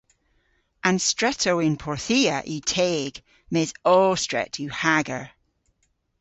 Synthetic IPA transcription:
ãnstɹɛtʰoɪnpʰɔɹθiːəʔiːtʰeːɡ̥ | mɛzɔːstɹ̥ɛ̰tʰʉhaɡə̰ɹ

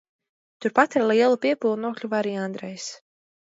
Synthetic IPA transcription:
t̪uɾpat̪ɛɾliɛlˠupʲiɛpulˠnuɔklʲuvaɾiːand̪ɾɛjs

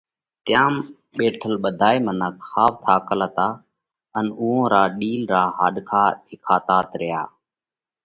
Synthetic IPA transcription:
t̪jaːm | ɓeːʈʰəlɓəd̪ʱaːiːmənəkhaːʋt̪ʰaːkələt̪aː | ənʊːõːɾaːɗiːlɾaːɦaːɗkʰaːt̪ʰɪkʰaːt̪aːt̪ɾɪja̰ː

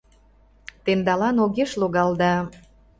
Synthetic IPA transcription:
t̪end̪ɑlɑnoɣeʃloɣɑld̪ɑ

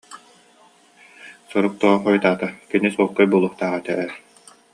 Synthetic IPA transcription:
sɔɾuk̚t̪uʁɔχɔjt̪aːt̪akinisuɔkːɯjbuːlˠuχt̪aːʁat̪ɛʔɛɾ

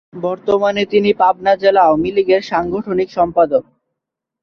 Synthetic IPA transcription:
bɔɾt̪omanet̪inipab̚nad͡ʑelaomiliɡeɾʃaŋɡʱoʈʰonikʃɔmpad̪ok̚

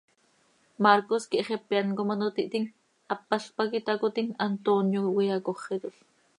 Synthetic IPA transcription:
maɾkoskiʔχepjankomanot̪iʔt̪iŋ | apːaɬpakit̪akot̪iŋant̪onjowijakoχːet̪oɬ

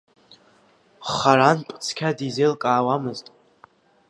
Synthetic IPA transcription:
χaɾanpʼt͡sʰkʲʰadizelkʼaːwamɨztʼ

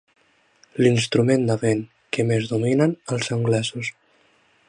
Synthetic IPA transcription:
linst̪ɾumend̪əβeŋ | kemezðuminənəlˠzəŋɡlɛzus

